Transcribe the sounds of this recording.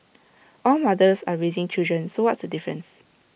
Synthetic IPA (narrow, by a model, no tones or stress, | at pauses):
ʔɔlmadəsaɹezɪ̃ŋt͡ʃildɹə̃nsowɔtsdədifɹə̰̃ns